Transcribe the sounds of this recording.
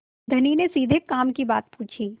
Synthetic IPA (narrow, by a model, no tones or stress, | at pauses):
d̪ʱɐninesiːd̪ʱekaːmkibaːt̪̚puːt͡ʃʰiː